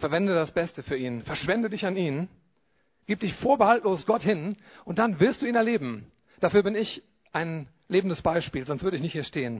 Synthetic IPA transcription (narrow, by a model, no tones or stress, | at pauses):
fɛɐvɛndədasb̥ɛstəfyːɐʔiːnfɛɐʃv̥ɛndədɪçaniːn | ɡ̥iːp̚d̥ɪçfoːɐbəhaltloːsɡ̥ɔthɪnʔʊntd̥anvɪɐstd̥uːiːnɛɐleːbm̩ | d̥afyːɐbɪnɪç | ʔaɪn | leːbm̩n̩dəsb̥aɪʃpiːlzɔnstvʏɐdəɪçnɪçthiːɐʃteːən